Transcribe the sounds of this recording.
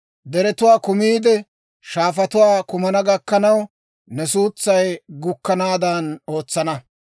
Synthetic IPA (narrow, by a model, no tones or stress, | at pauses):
d̪ɛɾɛt̪ʊwaːkʊmiːd̪ɛ | ʃaːfɐt̪ʊwaːkʊmɐnɐɡɐkːɐnɐw | nɛsuːt͡sːɐjɡʊkːɐnaːd̪ɐno̞ːt͡sːɐnɐ